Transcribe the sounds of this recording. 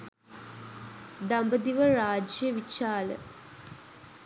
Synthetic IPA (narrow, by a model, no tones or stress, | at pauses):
d̪ambəd̪iʋəɾaːd͡ʒjəʋit͡ʃaːlə̰